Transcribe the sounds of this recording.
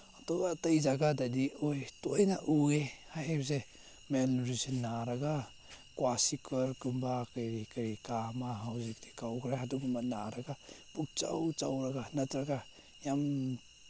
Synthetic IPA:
atɔɡatajzaɡadadiɔjtɔjnaʔuehahebze | menuɾisinːaɾaɡa | kwasikʰɯɾkɯmbakajɾikaɾikamaɦawzik̚tikawkʰɾaɦadukmat̚naɾaɡapuk̚t͡ʃa̰wt͡ʃawɾaɡanatɾaɡa | jam

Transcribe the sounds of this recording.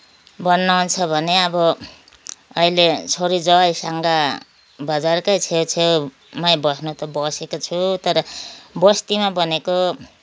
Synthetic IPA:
bʌnːaunt͡sʰʌbʱʌneʌbʌː | ilet͡sʰoɾid͡zʌjsaŋɡa | bʌd͡zarkʌjt͡sʰewt͡sʰe | mʌjbʌsnot̪ʌbʌsekot͡sʰut̪ʌɾʌbʌst̪imabʌneko

